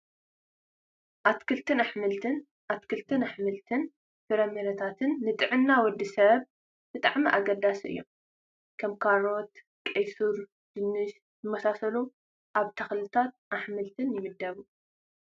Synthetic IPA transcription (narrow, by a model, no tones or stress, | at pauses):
ʔat̪kʰɨlt̪ʰɨnaħmɨlt̪ʰɨn | ʔat̪kʰɨlt̪ʰɨnaħmɨlt̪ʰɨn | fɨɾɐmeɾɐt̪ʰat̪ʰɨnːɨt̪ʼɨʕɨnːawɔd̪ːisɐβ | b̥ɨt̪ʼaʕmiʔaɡɐd̪asʔɨ̰jːom | kʰɐmkʰaɾot̪ | kʼɐjsuɾ | d͡ʒ̥ɨnːɨʃ | zɨmɐsasɐlu | ʔaβt̪ʰɐxlɨt̪ʰat̪̚ʔaħmɨlt̪ʰɨnjɪmɨd̪ːɐβu